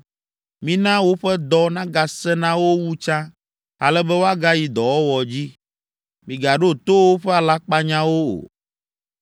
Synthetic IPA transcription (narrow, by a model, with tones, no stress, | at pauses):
mĩ˦nã˦wo˦ɸɛ˦d̪ɔ˦nã˦ɡa˨sɛ˦nã˦wo˦wu˦t͡ʃã˦ | a˨lɛ˦bɛ˦wo˦a˦ɡa˦ji˨d̪ɔ˨wɔ˦wɔ˨d͡ʑi˦ | mĩ˨ɡa˨ɖo˦t̪o˦wo˦ɸɛ˦a˨la˦k͡pa˦ɲã˦wo˦o̰˨